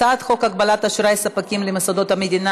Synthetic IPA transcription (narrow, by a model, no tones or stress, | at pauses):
at̪χo̞kɐɡ̚bɐlat̪ɐʃɾajsɐpakʲimlɪmɪsɐd̪ot̪ɐmed̪ʲina